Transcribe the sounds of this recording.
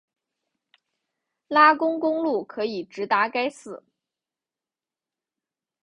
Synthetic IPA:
la˥kʊ˥ŋkʊ˥ŋlu˥˩kʰɤ˧˥i˨˩ʈ͡ʂɻ̩˧˥t̪a˧˥ka˥ɪsɹ̩˨˩˦

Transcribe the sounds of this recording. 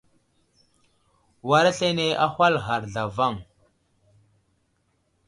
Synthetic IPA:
wa˨ɾa˦ɬe˦ne˦ʔa˦xʷa˦lɣa˨ɾɮa˨va˦˨ŋ

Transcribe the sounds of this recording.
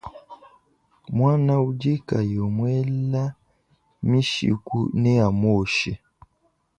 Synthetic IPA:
mwa˦na˦u˦d͡ʒi˦ka˨jɔ˨mwɛ˦la˦ | mi˦ʃḭ˨kṵ˦nɛ˦a˨mɔ˦˨ʃɛ˦

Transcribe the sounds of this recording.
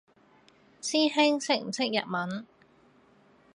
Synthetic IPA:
siː˥hɪ˥ŋsɪ˨˩ŋ̚m̩˨˩sɪ˥k̚jɐ̰˨t̚mɐ˨˥n

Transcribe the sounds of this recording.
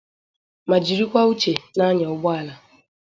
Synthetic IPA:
ma˨d͡ʒi˨ɾi˦kʷa˦u˦t͡ʃe˨na˦ɲa˨ʊ˦ɡ͡bɔ˦a˦la˨

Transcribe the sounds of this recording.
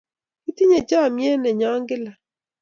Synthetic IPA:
i˦ti˦ɲe˨d͡ʒa˦˨mje˦nɛ˨ɲɔ˦ŋɡɪ˦la˨

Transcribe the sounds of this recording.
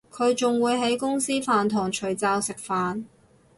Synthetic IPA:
kʰɵ˨˧ɥt͡sʊ˨ŋwuː˨˧jɦe˨˥jkʊ˥ŋsiː˥faː˨nt̪ʰɔː˨˩ŋt͡ʃʰɵ˨˩ɥt͡saː˧wsɪ˨k̚faː˨n

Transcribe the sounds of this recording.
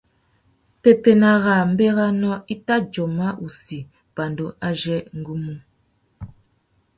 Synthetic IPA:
pe˨pe˨na˨ɣa˨m̩˦be˦ɣa˦nɔ˦i˦ta˦d͡ʒɔ˨ma˦ʔu˨si˨ | b̥a˨ndo˨ʔa˦d͡ʒɛ˦ŋ̩˦ɡu˦mu˦

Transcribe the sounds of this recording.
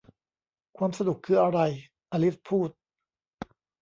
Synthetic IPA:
kʰwaː˧msa˧du˨˩kʰːɯː˧ʔa˧ɾa˧j | ʔaː˧li˦˥spʰuː˥˩t̪̚

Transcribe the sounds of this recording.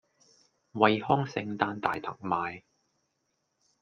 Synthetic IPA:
wɐ˧jhɔː˥ŋsɪ̰˧ŋt̪aː˧nt̪a̰ː˨jt̪ʰɐ̰˨˩ŋ̚maː˨˧j

